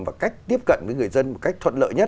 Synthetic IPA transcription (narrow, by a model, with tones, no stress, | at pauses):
vaː˨˩ka˦˥jk̟̚t̪i˦˥əp̚kə̰˧˨nvəː˨˦jŋɨ˨˩əjzə˧nmo˨˩t̚ka˦˥jk̚t̪ʰə˧˨n̚lə̰ː˧˨jɲə˦˥t